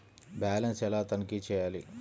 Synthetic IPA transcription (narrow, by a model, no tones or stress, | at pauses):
baːlɐnsɛlaːt̪ɐnikit͡ʃɛːjaːli